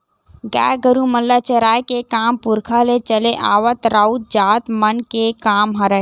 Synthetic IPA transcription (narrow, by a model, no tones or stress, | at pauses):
ɡa̰ɡəɾuməlːat͡ʃəɾaːjkekaːmpuɾkʰalet͡ʃəleʔaːʋət̪ɾaut̪̚d͡ʒaːt̪mənkekaːmɦəɾə